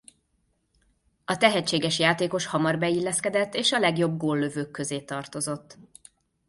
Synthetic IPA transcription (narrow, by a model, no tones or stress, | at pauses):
ɒt̪ɛɦɛt͡ʃːeːɡɛʃjaːt̪eːko̞ʃhɒmɒrbɛilːɛskɛd̪ɛt̪ːeːʃɒlɛɡjo̞b̚ɡoːlːøvøːkːø̞zeːt̪ɒrt̪o̞zo̞t̪ː